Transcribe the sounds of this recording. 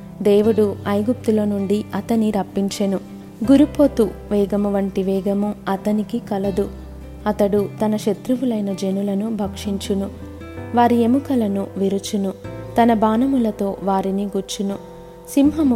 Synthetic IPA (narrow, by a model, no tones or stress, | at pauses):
d̪eːʋuɽuɐjɡup̚t̪ulo̞ːnuɳɖiɐt̪ɐniɾɐpːiɲt͡ʃɐnu | ɡuɾupo̞ːt̪uʋɛːɡɐmuʋɐɳʈiʋɛːɡɐmuɐt̪ɐnikikɐlɐd̪u | ɐt̪ɐɽut̪ɐnɐʃet̪ɾuʋulɐjnɐd͡ʒe̞nulɐnubʱɐkʂiɲt͡ʃunu | ʋaːɾiemukɐlɐnuʋiɾut͡ʃunut̪ɐnɐbaːnɐmulɐt̪o̞ːʋaːɾiniɡuɾt͡ʃːunu | simɦɐm